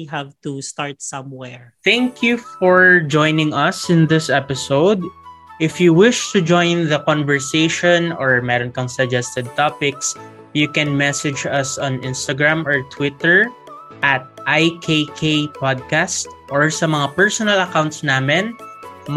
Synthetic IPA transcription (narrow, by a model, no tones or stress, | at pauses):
ɦavt̪ust̪aɹt̪̚sɐ̃mwɛɹθæ̃ŋkʰjufɔɹd͡ʒɔ̃jnɪ̃ŋɐsɪ̃nd̪ɪsɛpɪsowd̪ʔɪfjuwɪʃt̪ʊd͡ʒojnðɐkɔ̃nvɛɹsejʃɔ̃nɔɹmɛɾɔnkɐŋsɐɡd͡ʒɛst̪ɛd̪̚t̪apɪks | jukɛnmɛsɪd͡ʒɐsɔ̃nʔɪnst̪ɐɡɹamɔɹt̪ʰwɪt̪ɛɹ | ʔɐt̪̚ʔajkʰekʰepad̪̚kast̪̚ʔɔɹsɐmɐŋapɛɹsɔnɐlɐkaw̃nt̪snaːmɛn